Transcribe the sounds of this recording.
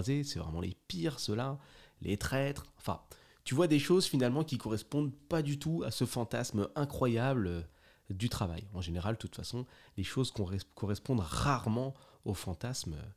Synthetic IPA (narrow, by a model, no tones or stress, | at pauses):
zesɛvʁɛmɑ̃lḛpiʁsəlalʔet̪χɛt̪χɑ̃fɛ̰̃ | t̪yvwad̪eʃozfinalmɑ̃kʲikɔʁɛspɔ̃d̪pad̪yt̪uasəfɑ̃t̪asmɛ̃kχwajablø | d̪yt̪χava̰jɑ̃ʒeneʁald̪t̪ut̪fasɔ̃leʃozkɔ̃ɛkɔʁɛspɔ̃d̪ʁaʁmɑ̃ | ofɑ̃t̪asmø̰